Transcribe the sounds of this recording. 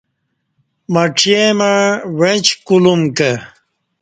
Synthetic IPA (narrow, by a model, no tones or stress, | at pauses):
mɐʈ͡ʂʰijemaɻwẽt͡ɕkulumkə